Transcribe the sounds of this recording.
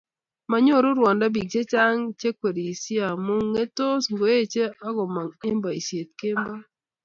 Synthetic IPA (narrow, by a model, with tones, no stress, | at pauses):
ma˨ɲo˦˨ɾo˦ɾwa˨nda˦bi˨k̚t͡ʃe˦t͡ʃa˦ŋt͡ʃe˦kwe˨ɾi˨i˨si˦a˨mu˦ŋe˦to˦sŋɡo˨˦e˦t͡ʃe˦a˦ɡo˨ma˨e˦mba˨i˨sje˨t̪̚ke˦mba˦